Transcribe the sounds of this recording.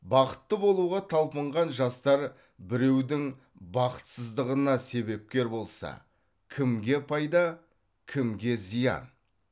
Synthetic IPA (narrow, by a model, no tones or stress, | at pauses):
bɑqə̥t̪ːəbo̞lˠuʁɑt̪ʰɑlˠpəɴʁɑnʒɑst̪ɑɾ | bɪɾe̞wd̪ɪŋ | bɑqə̥t̪səzd̪əʁənɑse̞βe̞p̚kʲe̞ɾbo̞lˠsɑ̰ | kʲʰɪmɡʲe̞pʰɑjd̪ɑ | kʲʰɪmɡʲe̞zijɑ̰n